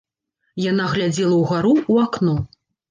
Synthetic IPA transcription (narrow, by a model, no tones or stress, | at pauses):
janaɣlʲad͡zʲɛlˠɐwɣaɾuːaknɔ